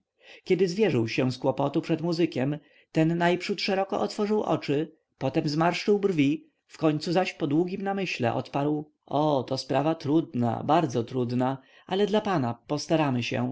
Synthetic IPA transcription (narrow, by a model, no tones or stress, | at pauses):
kʲɛd̪ɘzvʲjɛʐɘwɕɛw̃skwɔpɔt̪upʂɛd̪muzɘkʲɛm | t̪ɛnːajpʂut̪ʂɛɾɔkɔ̰ʔɔt̪fɔʐɘwʔɔ̰t͡ʂɘ | pɔt̪ɛmzmaɾʂt͡ʂɘwbrvʲi | fkɔɲt̪suzaɕpɔd̪wuɡʲimnamɘɕlɛ̰ʔɔ̰t̪paɾw | ɔt̪ɔspɾavat̪ɾud̪na̰baɾd̪zɔt̪ɾud̪na | alɛd̪lapanapɔst̪aɾamɘɕɛ̰